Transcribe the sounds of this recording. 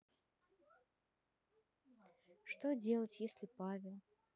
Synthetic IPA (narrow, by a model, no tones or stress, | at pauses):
ʂt̪ɔd͡zʲelˠɐt͡sʲjesʲlʲipavʲɛlˠ